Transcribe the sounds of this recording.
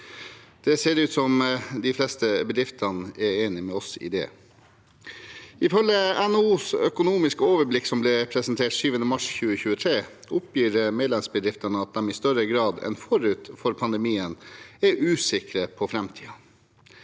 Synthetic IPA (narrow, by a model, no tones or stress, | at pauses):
d̪̥ɛseːɾʉːt̪sɔmd̪ɪflɛst̪əbəd̪ɾɪft̪ʰɑnəʔɛɾeːnɪmɛɔsɪ̰d̪ɛ̰ː | ɪfœləɛnuːsœkʊnuːmɪskəoːʋəblɪksɔmblɛpʰɾɛsənt̪ʰeːʈsyːʋənəmɑʂçʉːəçʉːət̪ʰɾeː | ʊpʰjiːɾmeːd̪lɛmsbəd̪ɾɪft̪ənəɑt̪̚d̪ɛmɪst̪œɾəɡɾɑːd̪ɛ̰nfɔɾʉːt̪fɔɾpʰɑnd̪ɛmiːənɛɾʉːsɪkɾəpʰɔfɾɛmt̪ʰiːɑ